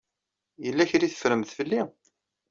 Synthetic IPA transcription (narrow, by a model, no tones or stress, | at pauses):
jəlːæçɾiθə̥fɾəmθfəlːi